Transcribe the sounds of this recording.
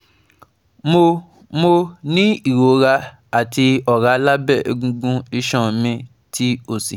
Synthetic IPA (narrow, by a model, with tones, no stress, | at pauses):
mo˧ | mo˧nĩ˦i˦˨ɾo˨˦ɾa˧ | a˨ti˧ɔ˨ɾa˨˦la˦bɛ˦˨e˧ɡũ˧ɡũ˦i˧ʃɔ̃˦˨mĩ˧ | ti˦o˦˨si˨